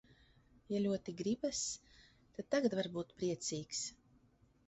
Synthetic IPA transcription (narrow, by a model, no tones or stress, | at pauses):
jalʲuɔt̪iɡɾibas | t̪ad̪̚t̪aɡat̪vaɾbuːt̪pɾiɛt̪siːks